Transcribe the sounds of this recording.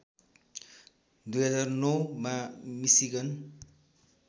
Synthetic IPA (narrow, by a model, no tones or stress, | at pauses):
d̪ujɦʌd͡zarnʌwmamisiɡʌn